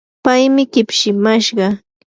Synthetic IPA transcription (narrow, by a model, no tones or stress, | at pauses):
pajmɪkɪpʃɪmaʃɢɑ